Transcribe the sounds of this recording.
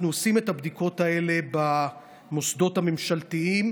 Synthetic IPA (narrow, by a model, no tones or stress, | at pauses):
nuosime̞thabd̪iko̞tae̞le̞ba | mo̞sd̪o̞thame̞mʃalt̪iim